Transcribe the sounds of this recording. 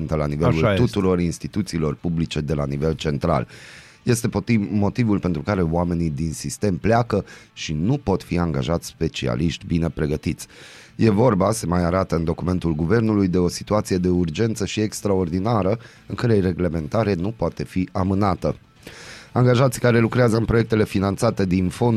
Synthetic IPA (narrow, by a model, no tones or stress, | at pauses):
nt̪əlanivelult̪ut̪uɾo̞rinst̪it̪ut̪siːlo̞rpublit͡ʃe̞d̪e̞lanive̞lt͡ʃe̞nt̪ɾa̰l | je̞st̪e̞mo̞t̪ivulpe̞nt̪ɾukaɾe̞oame̞nid̪insist̪e̞mpleakəʃinupo̞t̪fiaŋɡa̰ʒat̪sʲspe̞t͡ʃḭa̰liʃt̪ʲbine̞pɾe̞ɡət̪it̪sʲ | je̞vo̞rbase̞majaɾat̪əɨnd̪o̞kume̞nt̪ulɡuve̞rnulujd̪e̞o̞si̥t̪uat̪sije̞d̪e̞urd͡ʒe̞nt̪səʃie̞kst̪ɾao̞rd̪inaɾə | ɨŋkaɾejre̞ɡle̞me̞nt̪aɾe̞nupoat̪e̞fiʔamɨnat̪ə | aŋɡaʒat̪sʲkaɾe̞lukɾeazəɨnpɾoje̞k̚t̪e̞le̞finant̪sat̪e̞d̪info̞n